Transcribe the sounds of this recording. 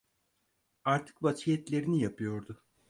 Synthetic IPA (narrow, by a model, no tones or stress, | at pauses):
aɾt̪ʰɯ̥k̚bat͡ʃʰijɛt̪lʲe̞ɾinijapʰɯjo̞ɾd̪ʊ